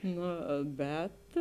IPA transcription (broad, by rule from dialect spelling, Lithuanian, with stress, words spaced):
ˈnoː ˈbʲɛt